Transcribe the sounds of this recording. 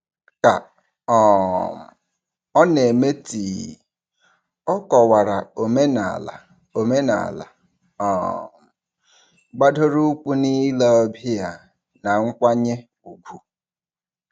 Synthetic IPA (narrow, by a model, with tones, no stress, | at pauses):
ka˨ | ɔ˨m̩˨ | ɔ˦ne˨me˦ti˨ | ɔ˦kɔ˨wa˨ɾa˨o˨me˦na̰˨la̰˨ | o˨me˦na̰˨la̰˨ | ɔ˨m̩˨ | ɡ͡ba˦do˦ɾu˦k͡pu˦ni˦la˦ɔ˦bi˦ja˦ | na˨ŋ̩˦kʷa˦ɲe˦ | u˨ɡʷu˨